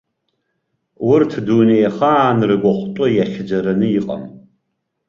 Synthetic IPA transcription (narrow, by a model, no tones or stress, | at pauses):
wʊrtʰduːnejɛχaːnrɨɡʷɔχʷʊtʷʼɔjɛχʲɪd͡ʒɐɾɐnɨjɪqʼɐ̰m